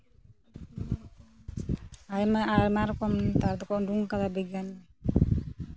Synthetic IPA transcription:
ajmaaɾmaɾkɔmt̪aɾd̪ɔkɔʔduŋkad̪abɛɡanɛ

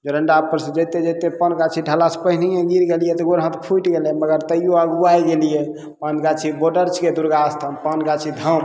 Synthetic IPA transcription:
d͡ʒoɾəɳɖapːəɾsə̃d͡ʒəjt̪ed͡ʒəjt̪epənɡat͡ʃʰiɖʱəlaspəɦnijẽɡiɾɡelijɛt̪ɔɡoɾɦə̃t̪pʰuʈɡeleməɡəɾt̪əijoəɡuajɡelije | pənɡat͡ʃʰiboɖəɾt͡ʃʰked̪uɾɡast̪ʰəmpənɡat͡ʃʰid̪ʱəm

